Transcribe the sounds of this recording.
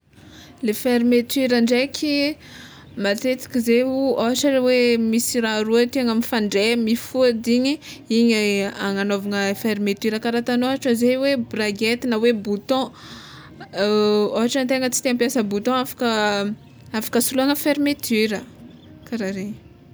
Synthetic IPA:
lefeɾmet̪yɾaɳɖ͡ʐekʲʰi | mat̪et͡si̥kʲizeuoɦaʈ͡ʂəewemisiɾaɾuat̪iaŋamifaɳɖ͡ʐemifud̪iɲiiɲaŋanovaŋəfeɾmet̪yɾəkaɾat̪anoɦaʈ͡ʂəzejwebraɡet̪inəwebut̪ɔ̃ | oɦaʈ͡ʂənt̪eŋət͡si̥t̪eãmpjasəbut̪ɔ̃afḁkə | afḁkəsuluaŋəfeɾimet̪ʰyɾə | kaɾaɾeɲ

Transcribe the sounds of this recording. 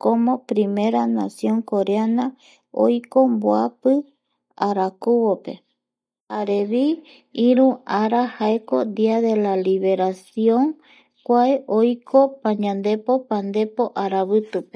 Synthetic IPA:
kõmõpɾime̞ɾanasjõ̞ŋko̞ɾeana | o̰jko̞mboapɨ | aɾakuβope̞̰ | aɾeβi | ĩɾũaɾahaekod̪iaðe̞laliβe̞ɾasjõ̞ŋ | kʷaeʔo̞jkʰo̞pãɲãnd̪e̞po̞pãnd̪e̞po̞ʔaɾaβɨt̪upe

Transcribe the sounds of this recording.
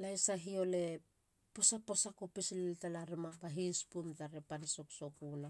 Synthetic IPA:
lajsaɦio̞le̞ | po̞sapo̞sakopisililtalaɾimapaɦispumtaɾepaniso̞ksokuna

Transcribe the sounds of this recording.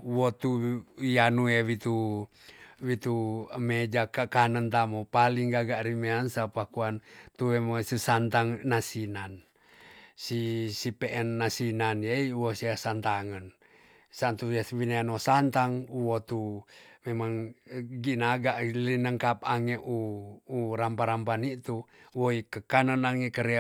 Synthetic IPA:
wot̪ujanuewit̪u | wit̪umed͡ʒakakanənt̪amopaliŋɡaɡaʔɾimeansapakuant̪uwemosisant̪aŋnasinan | sisipeʔɛnːasinanjeiwosiasant̪aŋən | sant̪uaswineanosant̪aŋuwot̪umemaŋɡinaɡaʔlinəŋkap̚aŋeʔuː | ɾampaɾampanit̪uwoikəkanənaŋekəɾe

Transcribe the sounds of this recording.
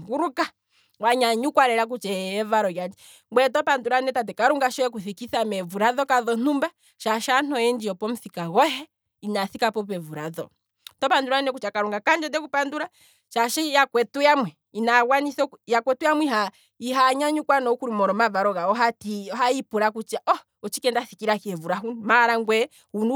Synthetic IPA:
ŋɡuɾuka | waɲaɲukwaɾɛɾak̬ut͡ʃɛɛvaɾɔɣad͡ʒɛ | ɡwɛtɔpanduɾanɛtat̬ɛkaɾuŋɡaʃɔjɛkuθikiθamɛvuɾaðɔkaðɔn̥umba | ʃaʃan̥ɔjɛnd͡ʒiɔpɔm̩θikaɣɔɦɛ | inaθikapɔpɛvuɾaðɔ̰ | tɔpanduɾanɛkut͡ʃakaɾuŋɡakand͡ʒɔdɛkupanduɾa | ʃaʃɛjakwɛtujamwɛ | inaɣwanisɔjakwɛtujamwiɦa | iɦaɲaɲukwanɔukuɾimɔɾɔmavaɾɔɣaɔɦatiɔɦaipuɾakut͡ʃaʔɔ | ɔt͡ʃikɛndaθikiɾakiɛvuɾaɦunmaɾaŋɡwɛ | hunu

